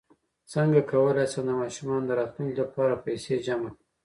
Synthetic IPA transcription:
səŋɡakʰawəlasand̪əmɑʃumɑnd̪əɾɑt̪luŋklapɑɾapajsed͡ʒamaki

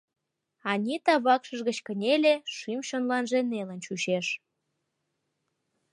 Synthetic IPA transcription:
ɑnʲit̪ɑβɑkʃəʒɣət͡ɕkənʲelʲeʃymʃonlɑnʒenelənt͡ɕuʃeʃ

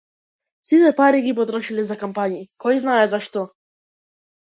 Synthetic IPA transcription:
sit̪ɛpaɾiɡip̬ɔt̪ɾɔʃilizakampanʲiikɔjznaɛzaʃt̪ɔ

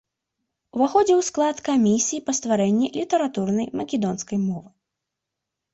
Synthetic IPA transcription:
wvaxɔd͡zʲɛwsklˠat̪kamʲisʲijipɐst̪vaɾɛnʲːilʲit̪ɐɾat̪urnɐjmɐkʲɛd̪ɔnskɐjmɔvɨ

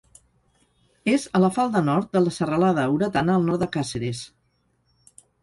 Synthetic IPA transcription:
ezələfalˠd̪ənɔɾt̪̚d̪ələsərəlaðəːwɾət̪anəːlˠnɔɾt̪d̪əkaseɾes

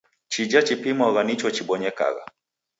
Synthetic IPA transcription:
t͡ʃid͡ʒat͡ʃipimaɣanit͡ʃɔt͡ʃiɓɔɲɛka̰ɣa̰

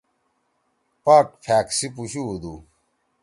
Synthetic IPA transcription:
paːʈ̚pʰaːksipuɕuːd̪u

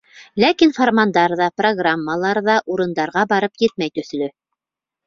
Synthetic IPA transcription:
lækinformand̪ɑɾðɑproɡramːəlˠɑɾðɑʔuɾɤ̆nd̪ɑɾʁɑbɑɾɤpjɘt̪̚mæjt̪ɵ̆θlɵ

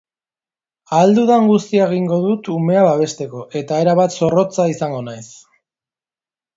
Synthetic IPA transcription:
ald̪uðaŋɡust̪iaeɣ̞iŋɡo̞ðut̪ume̞aβaβ̞e̞st̪e̞ko̞ʔe̞t̪ae̞ɾaβat̪so̞ro̞t͡saisaŋɡo̞najs

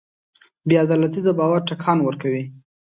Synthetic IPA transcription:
bjɑad̪ɑlat̪id̪əbɑwaɾʈakʰɑnwəɾkawi

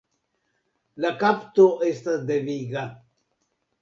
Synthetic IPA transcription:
lakapt̪oest̪ad̪eviɡa

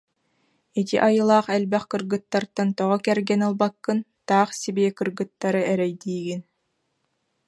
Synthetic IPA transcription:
it̪iʔajɯlˠaːχɛlbɛχkɯɾɡɯt̪ːaɾt̪ant̪ɔʁɔkɛɾɡɛnɯlˠbakːɯnt̪aːχsibiːɛkɯɾɡɯt̪ːaɾɯɛɾɛjd̪iːɡin

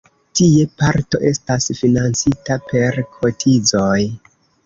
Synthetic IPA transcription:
tie̞paɾto̞̰ʔe̞stasfinant͡sitape̞ɾkʰo̞tʰid͡zo̞j

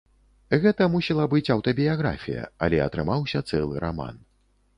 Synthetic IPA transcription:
ɣɛt̪ɐmusʲɛlˠɐbɨt͡sʲɐwt̪ɐbʲijaɣɾa̰fʲijɐ̰ɐ̰lʲɛɐt̪ɾɨmawsʲɐt̪sɛlˠɨɾa̰ma̰n

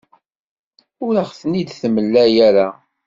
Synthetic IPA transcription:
ʊɾəχθənid̪θəməlːæjæɾa

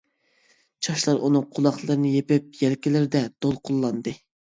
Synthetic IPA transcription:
t͡ʃʰɑʃlˠɑɾʔunɨŋqʰʊlˠɑχlˠɨɾɨnɨjepɪp̚jɛlkʲilɪɾd̪ɛd̪̥olˠqʰʊlˠːɑnd̪ɨ

